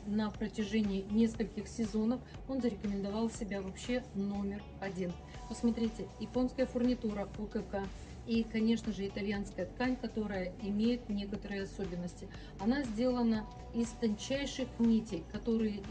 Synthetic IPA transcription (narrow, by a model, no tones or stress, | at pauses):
nəpɾətʲɪʐenʲɪːnʲe̞skəlʲkʲɪxsʲɪzo̞nəf | o̞nzəɾʲɪkəmʲɪnd̪ɐvɑlˠsʲɪbʲavɐpɕːe̞no̞mʲɪr | ɐdʲin | pəsmɐt̪ɾʲitʲɪjɪpo̞nskəjəfʊrnʲɪt̪uɾəokəka | ikɐnʲe̞ʂnəʐɨɪt̪ɐlʲjanskəjət̪kanʲkɐt̪o̞ɾəjəɪmʲejɪt̪̚nʲe̞kət̪əɾɨjəɐso̞bʲɪnːəsʲtʲɪ | ɐnazʲdʲe̞lˠənə | ɪst̪ɐnʲt͡ɕæjʂɨxnʲitʲɪjkɐt̪o̞ɾɨjɪ